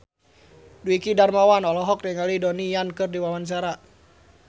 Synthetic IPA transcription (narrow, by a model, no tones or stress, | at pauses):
duikidarmawanɔlɔɦɔk̚dɛŋalidɔnijankɨrdiwawans̬aɾa